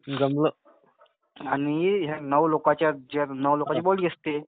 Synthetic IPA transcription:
d͡zəmlə | aniɦanəʋlokat͡ɕjad͡ʑaɾnəʋlokat͡ɕeboliəst̪e

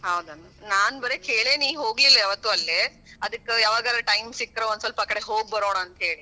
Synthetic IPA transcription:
ɦɐwd̪ɐnɐnaːnbɐɾekeːɭeːniːʋɦo̞ːɡlilːɐaʋɐt̪ːuɐlːe | ɐd̪ɐkːejaːʋaːɡaːlɐʈɐjmsikːɾɐond̪sɐlpɐaːkɐɽe̞ɦoːɡ̚bɐɾoːɽaɐnt̪ɐɦeːɭi

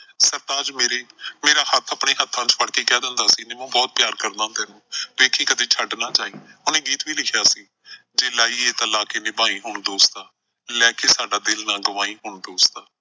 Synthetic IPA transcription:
səɾt̪aːd͡ʒmeːɾeːmeːɾaːhət̪ʰːəpɳeːɦət̪ʰːãːt͡ʃpʰəɽkeːkɛːd̪ɪnd̪aːsiːnẽːmɛ̃ːbɔːt̪̚pɪjaːɾkəɾd̪ãːt̪ɛːnũːʋeːkʰĩːkəd̪eːt͡ʃʰəɖnaːt͡ʃaːiː | ʊnẽːɡiːt̪ʋiːlɪkʰjaːsiː | d͡ʒeːlaːiːeːt̪əlaːkeːnẽːbaːiːɦʊɳd̪oːst̪aː | lɛːkʰeːsaːɖaːd̪ɪlnaːɡəʋaːiːɦʊɳd̪oːst̪aː

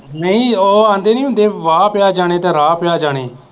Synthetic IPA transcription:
nəĩːoːãːnd̪eːnĩːɦʊ̃nd̪eːʋaːpɪjaːd͡ʒaːɽ̃eːt̪eːɾaːpɪjaːd͡ʒaːɽ̃eː

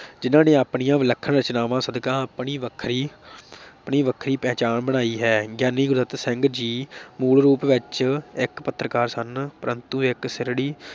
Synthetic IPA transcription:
d͡ʒɪnãːneːaːpɳijãːʋɪləkʰːənɾət͡ʃnaːʋãːsəd̪kãːpɳiːʋəkʰɾiː | pɳiːʋəkʰɾiːpɛ̃ːt͡ʃaːnbəñaːiːɦɛːɡjaːniːɡʊɾd̪ət̪sɪŋɡd͡ʒiːmuːɭɾuːpʋɪt͡ʃɪkpət̪ːɾəkaːɾsənpəɾənt̪ũːɪksɪɾɽiː

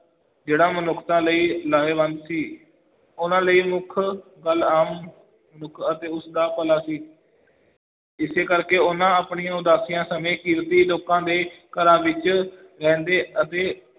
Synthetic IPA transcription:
d͡ʒeːɽãːmənʊkʰt̪ãːləiːlaːeːʋənd̪siː | ʊnãːləiːmʊkʰɡəlaːm | mənʊkʰət̪eːʊsd̪aːpəlaːsiː | ɪseːkəɾkeːʊnãːpɳijãːʊd̪aːsɪjãːsəmẽːkɪɾt̪iːloːkãːd̪eːkəɾãːʋɪt͡ʃ | ɾɛ̃ːnd̪eːət̪eː

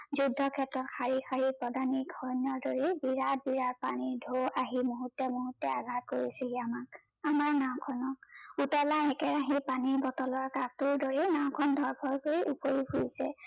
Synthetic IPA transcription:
zudʱːɔkʰɛtɹɔtxʰaɹixʰaɹipɔdaniɡʱɔnjɔɹdoɹibiɹat̚biɹaɹ̚panidʱoaɦimoɦutːɛmoɦutːɛaɡʱat̚koɹiseɡiamak̚ | amaɹnaw̃kʰɔnɔk̚utɔlaɛkɛɹaɦipanibɔtɔlɔɹkap̚tuɹdoɹinaw̃kʰɔndʱɔɹbʱɔɹkoɹiʔupoɹibʰʱuisɛ

